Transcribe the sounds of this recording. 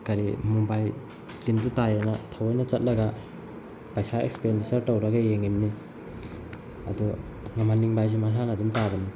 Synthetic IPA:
kaɾimumbaj | dintutajanatʰawajnɐt͡ʃɐt̚lɐɡa | pajsaḛkspendisɐɾtowɾɐɡajeŋimni | ɐ̰du | ŋamaniŋbajs̬imas̬anadumtabɐni

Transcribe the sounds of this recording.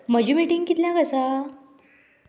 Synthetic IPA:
məd͡ʑimiʈiŋɡkit̪ljãkəsa

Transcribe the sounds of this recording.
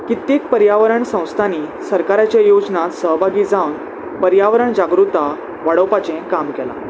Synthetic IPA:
kit̪ːiːk̚pəɾjaʋəɾəɳsə̃w̃st̪ʰaniːsəɾkaɾat͡ɕjejod͡znat̪səɦbʱaɡiːd͡zawn | pəɾjaʋəɾəɳd͡ʑaɡɾut̪a | ʋaɽəwpat͡ɕẽkamkɛla̰

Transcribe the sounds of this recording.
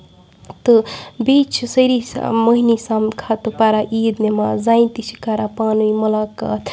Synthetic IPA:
t̪ɨbit͡ʃʰsəɾismɐɦinisamkʰat̪upaɾaʔiːd̪nemazaːjnt̪isi̥kaɾapaːnuimɐlaːka̰t̪ʰ

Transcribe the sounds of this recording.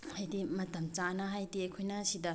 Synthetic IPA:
hajdimɐtɐmt͡ʃanɐɦajdiejkʰojnɐsidɐ

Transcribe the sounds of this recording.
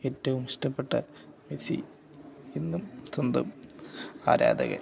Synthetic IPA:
etːɐʋumʂʈɐpːeʈːɐ | mesḭ | enːumsond̪ɐ̰m | a̰ːɾa̰ːd̪ɐ̰ɣɐ̰

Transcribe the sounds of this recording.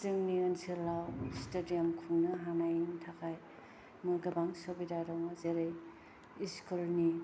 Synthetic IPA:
sɯŋniɐnsiɾlawstedijamkʰuŋnɐɦanajiŋtʰakʰaj | mɯɡɐbaŋsobidaɾawŋazeɾej | iskulni

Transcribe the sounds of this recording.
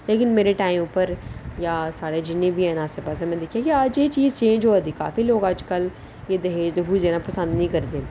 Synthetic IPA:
leːkɪnmeːɾeːʈaːimʊpːəɾjaːsaːɽeːd͡ʒɪnːẽːbʱiːɛːnaːseːpəːs̬ẽmɛ̃ːd̪ɪkʰːijaːkiəd͡ʒeːt͡ʃiːzt͡ʃẽːnd͡ʒoːəd̪iːka̰ːfiːloːɡəd͡ʒkəl | jeːd̪əɦeːd͡ʒd̪eɦud͡ʒeːnãpəsə̃nd̪nĩːkəɾd̪eː

